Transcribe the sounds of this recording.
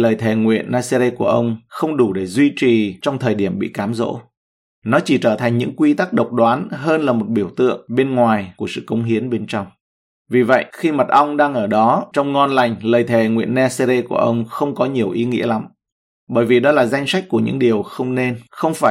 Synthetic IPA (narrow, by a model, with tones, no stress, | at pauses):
ləː˨˩jt̪ʰe˨˩ŋwḭ˧˨ənʔːaː˧se˧ɾe˧ku˧˩əʔə˧wŋ͡mxə˧wŋ͡mɗu˧˩ɗe˧˩zwi˧t͡ɕi˨˩t͡ɕɔ˧wŋ͡mt̪ʰəː˨˩jɗi˧˩əmɓḭ˧˨kaː˨˦mzo̰˧˥ | nɔ˨˦t͡ɕi˧˩t͡ɕəː˧˩t̪ʰa˨˩ŋ̟ɲɨ̰˧˥ŋkwi˧t̪a˦˥k̚ɗə˨˩wk͡p̚ɗwaː˨˦nɦəː˧nlaː˨˩mo˨˩t̚ɓi˧˩əwt̪ɨ̰˧˨əŋɓe˧nŋwaː˨˩jku˧˩əsɨ̰˧˨kə˨˦wŋ͡mɦi˨˦ənɓe˧nt͡ɕɔ˧wŋ͡m | vi˨˩və̰˧˨jʔxi˧mə˨˩t̚ʔə˧wŋ͡mɗaː˧ŋʔəː˧˩ɗɔ˨˦t͡ɕɔ˧wŋ͡mŋɔ˧nla˨˩jŋ̟ləː˨˩jt̪ʰe˨˩ŋwḭ˧˨ənːa˧se˧ze˧ku˧˩əʔə˧wŋ͡mxə˧wŋ͡mkɔ˨˦ɲi˨˩əwʔi˨˦ŋḭ˧˥əla˨˦m | ɓəː˧˩jvi˨˩ɗɔ˨˦laː˨˩za˧jŋ̟sa˦˥k̟̚ku˧˩əɲɨ̰˧˥ŋɗi˨˩əwxə˧wŋ͡mne˧nxə˧wŋ͡mfaː˧˩